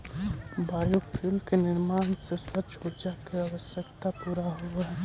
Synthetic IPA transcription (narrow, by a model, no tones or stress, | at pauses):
baːjopʰilkenɪɾmaːnsesət̪puɾd͡ʒakeaʋəsjəkt̪apuːɾaɦuɛɦɛ